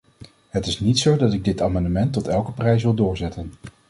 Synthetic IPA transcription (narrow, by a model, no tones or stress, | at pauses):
ɦətɪsnitsowdɑtɪɡ̚dɪtaːmɑndəmɛntːɔtɛlˠkəprɛjs̬ʋɪlˠdʊːɹzɛtən